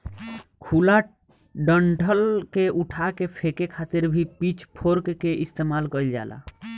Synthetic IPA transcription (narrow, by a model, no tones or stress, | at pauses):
kʰula | ɖəɳʈʰəlkeʔuʈʰakepʰekekʰat̪iɾbʱipit͡ʃʰpʰoɾkkeʔist̪emalkəld͡ʒa̰la̰